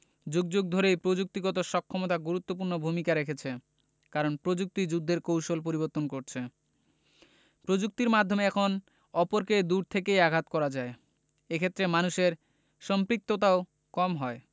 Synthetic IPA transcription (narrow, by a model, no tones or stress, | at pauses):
d͡ʑuɡd͡ʑoɡ̚d̪ʱoɾejpɾod͡ʑuk̚t̪iɡɔt̪oʃɔkʰːɔmot̪aɡuɾut̪ːop̬uɾnobʱumikaɾekʰet͡ɕʰe | kaɾonpɾod͡ʑuk̚t̪id͡ʑud̪ʱːeɾkowʃolp̬oɾiβoɾt̪ːonkoɾt͡ɕʰe | pɾod͡ʑuk̚t̪iɾmad̪ʱːomeɛkʰon | ɔpoɾked̪uɾt̪ʰekejaɡʱat̪kɔɾad͡ʑae | ekʰet̪ːɾemanuʃeɾ | ʃɔmpɾik̚t̪ot̪̬ao | kɔmɦɔe